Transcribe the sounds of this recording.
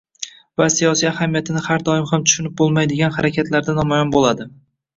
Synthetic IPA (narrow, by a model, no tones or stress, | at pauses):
vasijɒsijahamijat̪ʰɪnɪhaɾd̪ɒɪmhamt̪ʰʊ̥ʃʊnɪp̚bolˠmajd̪ɪɡʲanhaɾakʲʰat̪ʰlaɾd̪anɒmajɒnbolˠad̪ɪ